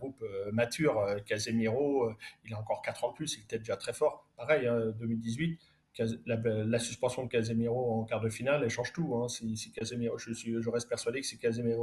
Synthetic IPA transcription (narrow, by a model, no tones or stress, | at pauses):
ɡʁupømat̪ʰyʁøkazemiʁoøilaɑ̃kɔʁkat̪χɑ̃d̪əplysilɛt̪ɛd̪eʒat̪χɛfɔʁpaʁɛjɛ̃d̪ømild̪izɥit̪ | kazlalasyspɑ̃sjɔ̃d̪əkʲazemiʁoɑ̃kaʁd̪əfinalɛʃɑ̃ʒt̪uɛ̃sisikazemiʁoʒəsɥiʒəʁɛst̪̚pɛʁsɥad̪ekə̥sɛkazemeʁo